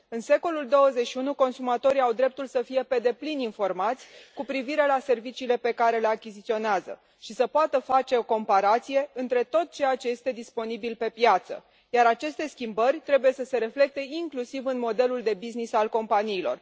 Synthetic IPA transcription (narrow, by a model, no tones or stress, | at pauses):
ɨnse̞ko̞luld̪o̞wəze̞tʃiunuko̞nsumat̪o̞ɾiawd̪ɾe̞p̚t̪ulsəfije̞pe̞d̪e̞plininfo̞rmat̪sʲkupɾiviɾe̞lase̞rvit͡ʃiːle̞pe̞kaɾe̞le̞akʲizit̪sio̞neazə̰ | ʃisəpoat̪əfat͡ʃe̞o̞ko̞mpaɾat̪sije̞ɨnt̪ɾe̞t̪o̞t̪̚t͡ʃe̞jat͡ʃe̞je̞st̪e̞d̪ispo̞nibilpe̞pjat̪sə̰ | jaɾat͡ʃe̞st̪e̞skʲimbərʲt̪ɾe̞buje̞səse̞ɾe̞fle̞k̚t̪e̞iŋklusivɨnmo̞d̪e̞luld̪e̞biznisalko̞mpaniːlo̞̰r